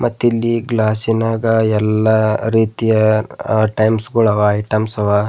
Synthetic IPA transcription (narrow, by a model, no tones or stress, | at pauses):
mʔɐt̪ːilːiɡlaːsinaːɡɐɛlːɐɾiːt̪ijɐ | ʈɐjmsɡuɭɐʋaɐjʈɐmsɐʋa